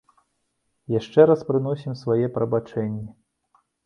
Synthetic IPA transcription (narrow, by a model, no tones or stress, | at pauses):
jaʂt͡ʂɛɾaspɾɨnɔsʲimsvajɛpɾɐbat͡ʂɛnʲːɛ